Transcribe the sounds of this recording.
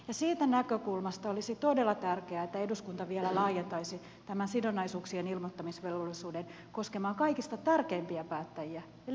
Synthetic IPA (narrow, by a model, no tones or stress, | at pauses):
jɑsiːt̪ænækøkulmɑst̪ɑolisit̪odelːɑt̪ærkeæet̪ːæeduskunt̪ɑʋielælɑːjent̪ɑisi | t̪æmænsidonːɑisuːksienilmot̪ːɑmisʋelolːisuːden | ko̞skemɑːŋkɑikist̪ɑt̪ærkeːmpiæpæːt̪ːæjiæ